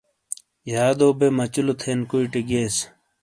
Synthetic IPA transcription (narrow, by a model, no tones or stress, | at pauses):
jaːd̪oːbemɐt͡ɕulot̪ʰeːnkuiʈiɡeːs